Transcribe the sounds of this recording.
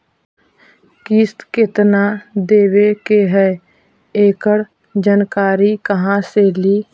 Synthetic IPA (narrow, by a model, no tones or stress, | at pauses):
kist̪kɪt̪nad̪eːwekeɦɛ | eːkəɽ | d͡ʒənkaːɾikəɦãseliː